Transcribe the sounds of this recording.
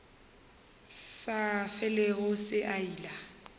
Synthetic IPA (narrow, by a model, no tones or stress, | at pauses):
safɛleɣʊsɪʔaiːla